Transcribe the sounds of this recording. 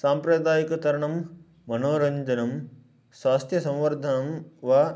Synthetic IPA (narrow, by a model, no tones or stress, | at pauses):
saːmpɾɐd̪aːjikɐt̪ɐɾɐɳɐmː | ɐnoːɾɐɲd͡ʒɐnɐm | saːst̪ʰjɐsɐ̃wʋɐɾd̪ʱɐnɐmʋa